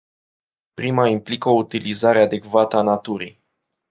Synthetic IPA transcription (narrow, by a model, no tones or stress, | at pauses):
pɾimaimplikəout̪ilizaɾead̪e̞kvat̪əanat̪uɾij